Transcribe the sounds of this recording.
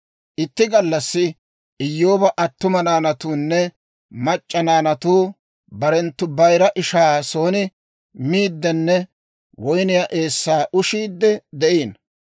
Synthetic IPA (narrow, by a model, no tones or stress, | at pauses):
ʔɪt̪ːɪɡɐlːɐsːɪ | ɪjːo̞ːbɐʔɐt̪ːʊmɐnaːnɐt̪uːnːɛ | mɐt͡ʃʼːɐnaːnɐt̪uː | bɐɾɛnt̪ːʊbɐjɾɐʔɪʃaːso̞ːnɪ | miːd̪ːɛnːɛ | wɔjnɪjaːʔe̞ːsːaːʔʊʃiːd̪ːɛd̪ɛʔiːn